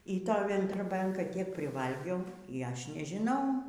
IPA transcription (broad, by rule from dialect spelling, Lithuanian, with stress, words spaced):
iː ˈtoːj ʋʲɛndroːˈbʲɛŋkɐ tʲiɛk pʲrʲɪˈʋɐlʲɡʲɛʊ iː ˈɐʃ nʲɛʒʲɪˈnɐʊ